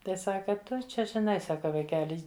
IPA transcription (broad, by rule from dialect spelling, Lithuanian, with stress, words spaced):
ˈtɐɪ ˈsɑːkɐ ˈtʊ ˈt͡ʃʲɛ ʒʲɪˈnɐɪ ˈsɑːkɐ ʋɐɪˈkʲæːlʲɪ